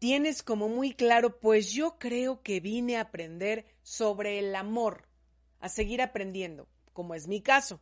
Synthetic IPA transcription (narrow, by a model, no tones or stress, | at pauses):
t̪je̞ne̞sko̞mo̞mujklaɾo̞pwe̞zʝo̞kɾe̞o̞ke̞βine̞apɾe̞nd̪e̞ɾ | so̞βɾe̞ːlamo̞ɾ | a̰se̞ɣiɾapɾe̞nd̪je̞nd̪o̞̰ | ko̞mo̞e̞zmikaso̞